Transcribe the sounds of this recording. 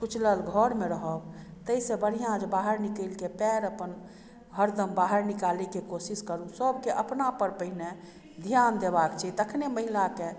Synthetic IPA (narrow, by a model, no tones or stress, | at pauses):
kut͡ʃʰləlɡʱəɾmeɾəɦəbt̪əisẽbəɽ̤ijãd͡ʒbaɦəɾnikəlkepɛɾəpən | ɦəɾd̪əmbaɦəɾnikalikekosiskəɾũsəbkeʔəpnapəɾpəɦine | d̪ʱijand̪ebakt͡ʃʰɛt̪əkʰneməɦilake